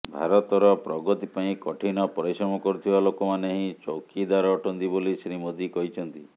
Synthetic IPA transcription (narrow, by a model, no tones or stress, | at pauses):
bʱa̰ɾɔt̪ɔɾɔpɾɔɡɔt̪ipaĩkɔʈʰinɔpɔɾisɾɔmɔkɔɾut̪ʰibalokɔmaneɦĩt͡ʃowkid̪aɾɔːʈʰɔnt̪ibolisɾimod̪ikɔɦit͡ʃʰɔnt̪i